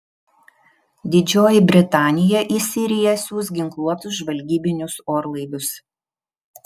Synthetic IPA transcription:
d̪ʲɪd͡ʒʲoːjɪbʲɾʲɪt̪ɑːnʲɪjɛʔiːsʲɪɾʲɪjɛsʲuːsɡʲɪŋklˠuɔt̪ʊsʒʋɐlʲɡʲiːbʲɪnʲʊsoːɾlˠɐɪʋ̪ʲʊs

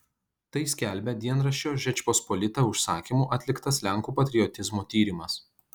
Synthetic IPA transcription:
t̪ɐɪsʲkʲælʲbʲɛd̪ʲiɛnɾɐʃʲt͡ʃʲoːʒʲɛt͡ʃʲpospɔlʲɪt̪ɐʊʃsɑːkʲiːˑmuːʔɐt̪ʲlʲɪkt̪ɐslʲæŋkuːpɐt̪ʲɾʲɪɔt̪ʲɪzmoːt̪ʲiːɾʲɪmɐs

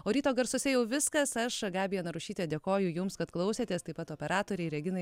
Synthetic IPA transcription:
oːɾʲiːt̪oːɡɐɾsʊsʲɛjɛʊʋʲɪskɐsɐʃɡɑːbʲijɛnɐɾʊʃʲiːt̪ʲed̪ʲeɛkoːjʊjʊmskɐt̪klˠɐʊsʲeːt̪ʲeːst̪ɐɪpɐt̪oːpʲɛɾɑːt̪oːɾʲɛɪɾʲɛɡʲɪnɐɪ

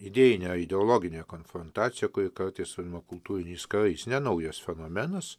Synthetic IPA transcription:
ɪd̪ʲeːjɪnʲɛɪd̪ʲɛolˠoːɡʲɪnʲeːkoːnfɾont̪ɑːt̪sʲɪjɛkʊɾʲɪkɐɾt̪ɐɪsɐɾʲɪmɐkʊlˠt̪uːɾʲɪnʲɛɪskɐɾɐɪsnʲɛnɐʊjosfʲɛnoːmʲɛnɐs

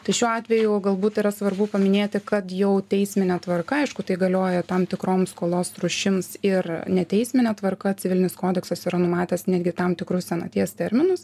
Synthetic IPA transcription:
t̪ɐɪʃʲuːɑːt̪ʲʋʲɛjʊɡɐlˠbuːt̪ɪɾɐsʋɐɾbʊpɐmʲɪnʲeːt̪ʲɪkɐt̪jɛʊt̪ʲɛɪsʲmʲɪnʲɛt̪ʋɐrkɐɐɪʃkʊt̪ɐɪɡɐlʲoːjɛt̪ɐmt̪ʲɪkɾoːmskoːlˠoːsɾʊʃʲɪmsɪɾnʲɛt̪ʲɛɪsʲmʲɪnʲɛt̪ʋɐrkɐt͡sʲɪʋʲɪlʲɪnʲɪskoːd̪ʲɛksɐsiːɾɐnʊmɑːt̪ʲɛsnʲæːd̪ʲɡʲɪt̪ɐmt̪ʲɪkɾʊssʲɛnɐt̪ʲiɛst̪ʲɛɾʲmʲɪnʊs

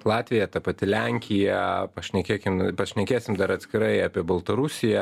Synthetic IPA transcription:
lˠɑːt̪ʲʋʲɪjɛt̪ɐpɐt̪ʲɪlʲæŋʲkʲɪjɛpɐʃʲnʲɛkʲeːkʲɪmpɐʃʲnʲɛkʲeːsʲɪmd̪ɐɾɐt̪ʲsʲkʲɪɾɐɪɑːpʲiɛbɐlˠt̪ɐɾʊsʲɪjɛ

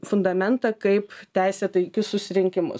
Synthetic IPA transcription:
fʊnd̪ɐmʲɛnt̪ɐkɐɪpt̪ʲæˑɪsʲɛt̪ɐɪkʲʊssʊsʲɪɾʲɪŋʲkʲɪmʊ̰

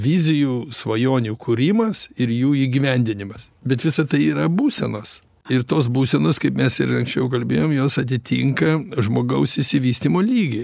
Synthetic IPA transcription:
ʋʲizʲɪjusʋɐjoːnʲukʊɾʲimɐsɪɾjuːiːɡʲiʋʲɛnʲd̪ʲɪnʲɪmɐs | bʲɛt̪ʋʲɪsɐt̪ɐɪiːɾɐbuːsʲɛnoːs | ɪɾt̪oːs̬buːsʲɛnoːskɐɪpmʲɛsɪɾɐŋksʲt͡ʃʲɛʊkɐlʲbʲeːjoːmjoːsɐt̪̬ʲɪt̪ʲḭŋkɐʒmoːɡɐʊsɪʃʲsʲɪʋʲiːsʲt̪ʲiːmoːlʲiːɡʲɪ

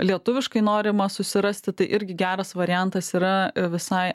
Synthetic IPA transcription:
lʲiɛt̪ʊʋʲɪʃkɐɪnoːɾʲɪmɐsʊsʲɪɾɐsʲt̪ʲɪt̪ɐɪʔɪɾʲɡʲɪɡʲæːɾɐsʋɐɾʲɪjænt̪ɐsiːɾɐʋʲɪsɐɪ

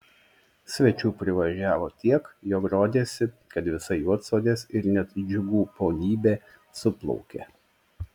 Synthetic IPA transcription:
sʲʋʲɛt͡ʃʲuːpʲɾʲɪʋɐʒʲæːʋoːt̪ʲiɛkjoːkɾoːd̪ʲeːsʲɪ | kɐt̪ʋʲɪsɐɪjuɔt̪soːd̪ʲeːsɪɾnʲɛt̪d͡ʒʲʊɡuːpoːnʲiːbʲeː | sʊplˠɔ̰ʊkʲḛː

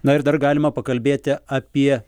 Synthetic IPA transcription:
nɐɪɾd̪ɐɾɡɑːlʲɪmɐpɐkɐlʲbʲeːt̪ʲɪɑːpʲiɛ

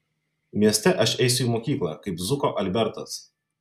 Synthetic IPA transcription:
mʲiɛsʲt̪ʲɛʔɐʃɛɪsʲʊiːˑmoːkʲiːklˠɑ̰kɐɪpzʊkoːʔɐlʲbʲɛɾt̪ɐs

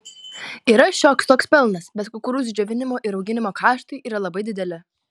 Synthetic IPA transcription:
iːɾɐʃʲoːkst̪oːkspʲɛlˠnɐsbʲɛt̪kʊkʊɾuːs̬d͡ʒʲoːʋʲɪnʲɪmoːʔɪɾɒʊɡʲɪnʲɪmoːkɑːʃt̪ɐɪʔiːɾɐlˠɐbɐɪd̪ʲɪd̪ʲɛlʲɪ

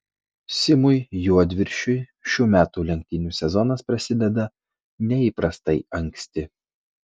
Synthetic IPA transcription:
sʲɪmʊjjuɔd̪ʲʋʲɪɾʲʃʲʊɪʃʲuːmʲæːt̪uːlʲɛŋʲk̚ʲt̪ʲɪnʲuːsʲɛzɔnɐspɾɐsʲɪd̪ʲɛd̪ɐ | nʲɛiːpɾɐst̪ɐɪɐŋʲkʲsʲt̪ʲɪ

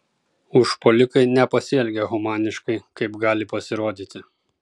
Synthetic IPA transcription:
ʊʃpɔlʲɪkɐɪnʲɛpɐsʲɪɛlʲɡʲɛɣɔmɑːnʲɪʃkɐɪkɐɪpɡɑːlʲɪpɐsʲɪɾoːd̪ʲiːt̪ʲɪ

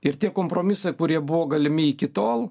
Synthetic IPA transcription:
ɪɾt̪ʲiɛkoːmpɾoːmʲɪsɐɪkʊɾʲiɛbʊʋoːɡɐlʲɪmʲɪikʲɪt̪oːlˠ

